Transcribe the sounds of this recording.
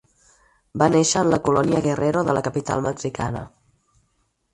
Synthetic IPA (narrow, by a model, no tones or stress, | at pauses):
baneʃəːnləkulɔniəɣərʔeɾoðələkəpit̪a̰lˠməksika̰nə̰